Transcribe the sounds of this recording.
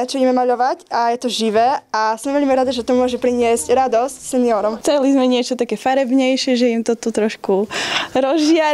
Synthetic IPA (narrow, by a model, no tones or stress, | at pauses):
t͡ʃɔiɛmɛmaʎɔʋacajɛt̪ɔʒiʋɛːasɔmʋɛʎmiɾad̪aʒɛt̪ɔmʊɔʒɛpɾiɲɪɛscɾad̪ɔscsɛniɔɾɔmt͡sɛlizmɛɲɪɛt͡ʃɔt̪akɛfaɾɛbɲɛjʃɪɛʒɛimt̪ɔt̪ut̪ɾɔʃkuɾɔzʒɪaɾ